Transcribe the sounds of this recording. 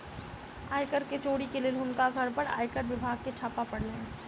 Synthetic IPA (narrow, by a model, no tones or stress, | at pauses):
aːjkəɾket͡ʃoːɽikeleːlʊnkaɡʱɐɾpəɾa̰ːjkəɾʋɪbʱaːɡ̚ket͡ʃʰaːpapɐɽleẽ